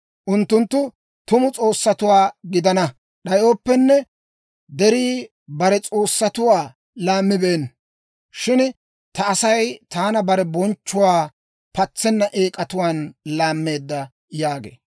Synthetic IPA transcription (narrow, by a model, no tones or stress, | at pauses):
ʔʊnt̪ːʊnt̪ːʊ | t̪ʊmʊt͡sʼo̞ːsːɐt̪ʊwaːɡɪd̪ɐnɐ | ɗɐjo̞ːpːɛnːɛ | d̪ɛɾiː | bɐɾɛt͡sʼo̞ːsːɐt̪ʊwaː | laːmːɪbeːn | ʃɪn | t̪ɐːsɐjt̪aːnɐbɐɾɛbɔnt͡ʃːʊwaː | pɐt͡sːɛnːɐʔeːkʼɐt̪ʊwaːnlaːmːe̞ːd̪ːɐ | jaːɡḛː